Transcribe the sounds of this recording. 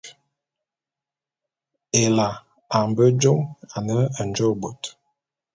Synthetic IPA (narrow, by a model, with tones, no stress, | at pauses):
e˨la˨ | a˨m˨bə˦d͡ʒo˦ma˨nə˦a˨n˨d͡ʒo˦˨ɡ͡bo˨t